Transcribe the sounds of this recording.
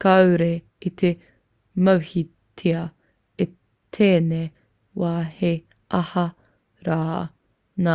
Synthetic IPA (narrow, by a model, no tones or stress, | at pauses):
kɐwɾe | it̪ʰe | mɐwhi | tʰeɐ | e | t̪ʰeːne | waːhe | ʔɐhɐ | ɾaː | naː